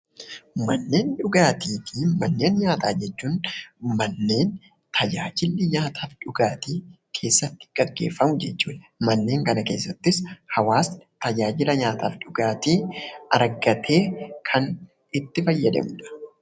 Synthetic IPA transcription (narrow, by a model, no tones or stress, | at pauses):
mɐnːe̞ːnᶑʊɡaːt̪ʰiːt̪ʰiːmɐnːe̞ːnɲaːt̪aːd͡ʒɛt͡ʃːuːnmɐnːe̞ːn | t̪ʰɐd͡ʒaːd͡ʒɪlːɪɲaːt̪ʰaːfᶑʊɡaːt̪iː | kʰe̞ːsːɐt̪ːɪ̥ɡ̥ɐɡːe̞̰ːfːɐmʊd͡ʒɛt͡ʃːuːᶑɐmɐnːe̞ːŋkɐnɐke̞̰ːsːɐt̪ːɪshɐwaːst̪ɐd͡ʒaːd͡ʒɪlɐɲaːt̪a̰ːfᶑʊɡaːt̪iːɐɾɡɐt̪ʰe̞ːkʰɐn | ɪt̪ːɪfɐjːɐd̪ɐ̰mʊᶑɐ̥